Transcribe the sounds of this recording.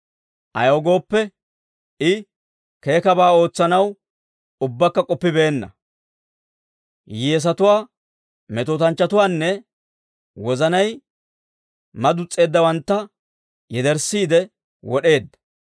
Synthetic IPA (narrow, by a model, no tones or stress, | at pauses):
ʔɐ̰joːɡo̞ːpːɛ | ɪ | ke̞ːkɐbaːo̞ːt͡sːɐnɐw | ʊbːɐkːɐkʼɔpːɪbe̞ːnːɐ̰ | jeːs̬ɐt̪ʊwaː | mɛt̪oːt̪ɐnt͡ʃːɐt̪ʊwaːnːɛ | wɔzɐnɐj | mɐd̪ʊt͡sʼːe̞ːd̪ːɐwɐnt̪ːɐ | jɛd̪ɛɾsːiːd̪ɛ | wɔɗe̞ːd̪ːɐ̥